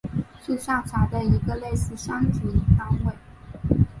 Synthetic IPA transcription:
ʂ̩˥˧ʂa˥˩t͡sʰwa˧˥d̪ə˧i˧˥ɡə˧le˥˧ɪsɹ̩˥˩ʂɑ˥ŋʈ͡ʂu˧˥i˨˧˩t̪a˥ŋwe˥˩ɪ

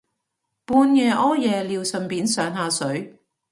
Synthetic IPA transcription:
puː˧njɛː˨˧ʔɔː˥jɛː˨˧liː˨˧wsɐ˨˩mpiː˨˧nsœː˨˧ŋɦaː˧sɵ˨˥ɥ

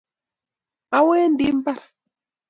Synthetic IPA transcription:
a˦weː˦ndi˦mba˦ɾ

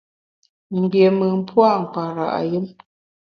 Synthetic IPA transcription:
m̩˨bje˨mə˨m̩˦pʰwa˦˨ŋ̩˨k͡pa˨ɾa̰˨ʔa˨ji˦m

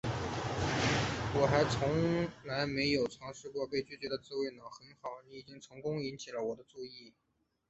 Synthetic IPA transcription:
wɔ˨˩xa˧˥ɪt͡sʰʊ˧˥ŋla˧˥ɪme˧˥ɪjo˨˩ʊt͡sʰɑ˧˥ŋʂɻ̩˥˧kwɔ˥˧pe˥˧ɪt͡ɕy˥˩t͡ɕɥɛ˧˥d̪ə˧t͡sɹ̩˥˧we˥˩ɪnɑ˨˩xə˧˥nxɑ˨˩ʊni˧˥i˨˩i˥ŋt͡sʰɤ˧˥ŋkʊ˥ŋi˧˥nt͡ɕʰi˨˩lə˦wɔ˨˩d̪ə˦ʈ͡ʂu˥˧i˥˩

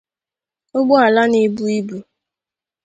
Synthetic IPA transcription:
o˦ɡ͡bʊ˦a˨la˦ni˨bu˦i˦bu˨

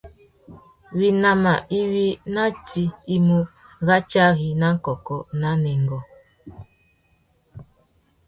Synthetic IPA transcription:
wi˦na˦ma˨ʔi˦wi˦na˦ti˦i˦mu˦ | ɣa˦t͡ʃa˦ɣi˨na˦ŋ̩˦kɔ˨kɔ˦na˦nɛ˨ŋɡɔ˨

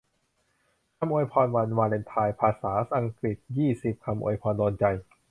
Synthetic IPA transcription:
kʰa˧mʔoː˧jpʰɔː˧nwa˧nwaː˧le˧nt̪ʰaː˧jpʰaː˧saː˩˦sʔa˧ŋkɾi˨˩t̪̚jiː˥˩si˨˩p̚kʰa˧mʔo̰˧jpʰɔː˧ndoː˧nt͡ɕa˧j

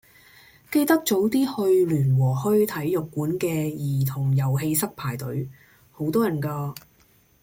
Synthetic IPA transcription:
ke˧jt̪ɐ˥k̚t͡so˨˥wt̪iː˥hɵ˧ɥlyː˨˩nwɔː˨˩hɵ˥ɥt̪ʰɐ˨˥jːʊ˨kːuː˨˥nkɛː˧jiː˨˩t̪ʰʊ˨˩ŋjɐ˨˩wɦe˧jsɐ˥k̚pʰaː˨˩jt̪ɵ˨˥ɥ | ho˨˥wt̪ɔː˥jɐ˨˩nkaː˧

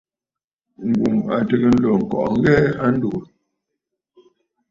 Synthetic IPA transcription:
ŋ̩˨ɡu˨ma̰˨tə˨ɣə˦n̩˦lɔ˨ŋ̩˨kɔ̰˨ʔŋ˦ɣɛ˦a˦n̩˦do˨

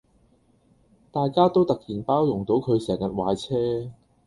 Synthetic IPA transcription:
t̪aː˨jkaː˥t̪o˥wt̪ɐ˨k̚jiː˨˩npaː˥wjʊ˨˩ŋt̪o˨˥wkʰɵ˨˧ɥsɛː˨˩ŋjɐ˨t̚waː˨˧jt͡sʰɛː˥

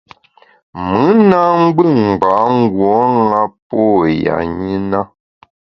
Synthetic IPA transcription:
mɨ˨˦na˦ŋ̩˦ɡ͡bɨ˦˨ŋ˨ɡ͡ba˨˦ŋ˦ɡwɔ˨˦ŋa˦pɔ˦˨ja̰˨ɲi˦na˦

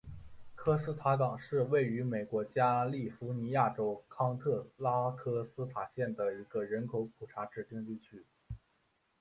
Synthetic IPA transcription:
kʰɤ˥sɹ̩˥t̪ʰa˧˥kɑ˨˩ŋʂɻ̩˥˧we˥˩ɪy˧˥me˨˩ɪkwɔ˧˥t͡ɕja˥li˥˩fu˧˥ni˧˥ja˥˩ʈ͡ʂo˥ʊkʰɑ˥ŋt̪ʰɤ˥˩la˥kʰɤ˥sɹ̩˥t̪ʰa˨˩ɕjɛ˥˩nd̪ə˩i˧˥ɡə˧ɻə˧˥nkʰo˧˥ʊpʰu˨˩ʈ͡ʂʰa˧˥ʈ͡ʂɻ̩˨˩t̪i˥˧ŋt̪i˥˩t͡ɕʰy˥

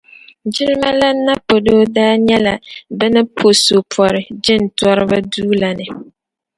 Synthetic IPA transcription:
d͡ʒɪ˦lma˦la˦na˦po˨do˦daː˦ɲɛ˦la˨bɨ˦nɨ˦pʰo˨so˨pʰɔ˨ɾɪ˨d͡ʒɪ˦n̩˨tɔ˦ɾɨ˦ba˦duː˦la˨nɨ˨

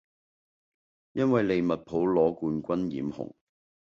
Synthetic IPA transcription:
jɐ˥nwɐ˨jle˨jmɐ˨t̚pʰo˨˥wlɔː˨˥kuː˧nkʷɐ˥njḭː˨˥mhʊ̰˨˩ŋ

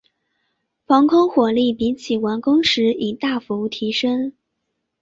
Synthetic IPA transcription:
fɑ˧˥ŋkʰʊ˥ŋxwɔ˨˩li˥˩pi˧˥t͡ɕʰi˨˩wa˧˥nkʊ˥ŋʂɻ̩˧˥i˨˩t̪a˥˩fu˧˥u˥˩t̪ʰi˧˥ʂə˥ŋ

